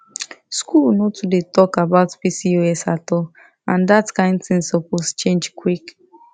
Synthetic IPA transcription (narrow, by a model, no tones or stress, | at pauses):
skulnotudetɔkabaʊtpisioɛsatɔ | ãndatkãɪ̃ndθɪ̃nsɔpɔst͡ʃẽnd͡ʒkwik